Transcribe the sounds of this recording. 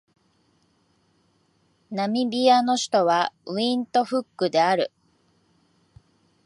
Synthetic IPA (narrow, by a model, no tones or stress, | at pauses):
namʲibʲiano̞ɕi̥t̪o̞βaɯ̟ĩnt̪o̞ɸɯ̟kːɯ̟d̪e̞aɾɯ̟